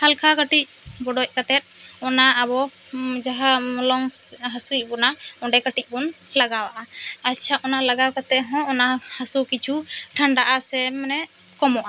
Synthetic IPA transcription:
halkʰakaʈic̚bɔɖɔc̚ˀkat̪ɛt̪̚ˀɔnaabɔ | d͡ʒaɦalɔŋɦasuic̚bɔnaɔɖɛkaʈic̚ˀbɔnlaɡawaʔaatːt͡ʃʰaʔɔnalaɡawkat̪ɛt̪̚ɦɔ̃ʔɔnahasukit͡ʃʰuʈʰaɳɖaʔasɛmnɛ | kɔmɔʔa

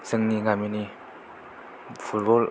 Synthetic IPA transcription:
z̥ɯŋniŋamini | fʰut̚bɔl

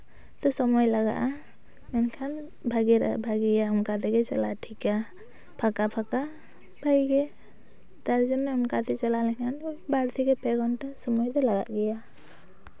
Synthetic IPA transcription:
t̪ɔsɔmɔjlaɡa̰ʔa | mɛnkʰan | bʱaɡɛɾa̰bʱaɡɛjaɔmkat̪ɛɡɛt͡ʃɛ̰laʈʰika | pʰakapʰaka | bʱajɡɛ | t̪aɾd͡ʒɔnmɛɔmkat̪ɛt͡ʃalalɛkʰanɔjbaɾt̪ʰɛkɛpɛɡɔnʈasɔmɔjd̪ɔlaɡa̰ʔɡɛja

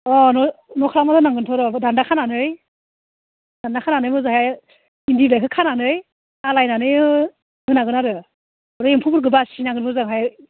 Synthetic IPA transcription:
ɔnɔnɔkʰɾamatʰɔnaŋɡɯntʰɔɾɔbɯdandakʰananɯj | d̥andakʰananɯjmɯzɯɦaj | indiblajkʰɯkʰananɯj | alajnanɯjɯ | ɡɯnaɡɯnaɾɯ | ɾɯempʰubuɾɡɯbasinaŋɡɯnmɯzɯŋɦaj

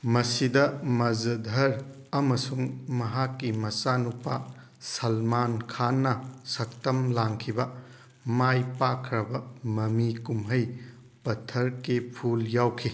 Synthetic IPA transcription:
mɐsidɐmɐzɐdʱɐɾ | ɐmɐsuŋmɐɦakːimɐsanupa | sɐlmankʰanːɐsɐk̚tɐmlaŋkʰibɐ | majpakʰɾɐbɐmɐmikumɦɐj | pɐtʰːɐɾkepʰuljawkʰi

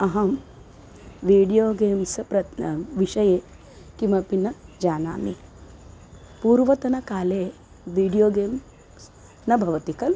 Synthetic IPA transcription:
ɐɦɐm | ʋiːɖijoːɡeːmsɐpɾɐʋiʃɐjeː | kimɐpinɐd͡ʒaːna̰ːmḭ | puːɾʋɐt̪ɐnɐkaːleː | ʋiːɖijoːɡeːm | s | nɐbʱɐʋɐt̪ikɐl

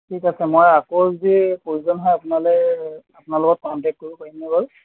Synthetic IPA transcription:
tʰikasɛmɔjakozepoɹizɔnɦɔjapʊnalɔɛapʊnalʊɡɔt̚kɔntɛk̚koɹupaɹinɛbaɹ

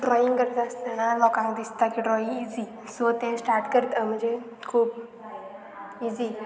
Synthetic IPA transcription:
ɖɾɔːjĩŋɡkəɾt̪aəst̪ənãlɔːkãŋkd̪ist̪akiɖɾɔːĩiːzi | soːt̪ẽsʈaːɾʈkəɾt̪am̤əd͡ʒe | kʰuːb | iːzi

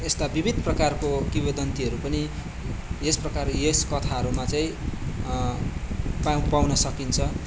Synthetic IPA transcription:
est̪abibʱid̪ʱprʌkarkokibed̪ʌnt̪iɦʌɾupʌni | jesprʌkarjeskʌt̪ʰaɦʌɾumat͡saĩ | papawnʌsʌkint͡sʰʌ

